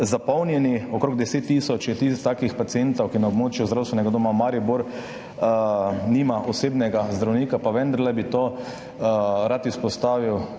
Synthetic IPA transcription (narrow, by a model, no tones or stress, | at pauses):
zapɔwnjɛniɔkɾoːɡ̚d̪ɛseːt̪ːiːsɔt͡ʃjɛt̪ist̪aːkixpat̪sient̪ɔwkinaɔbmoːt͡ʃjuzd̪ɾawst̪ʋɛnɛɡad̪oːmamaːɾibuɾ | nimaʔɔseːbnɛɡazd̪ɾawniːkapaʋɛnd̪aɾlɛbit̪oː | ɾat̪ispɔst̪aːʋiw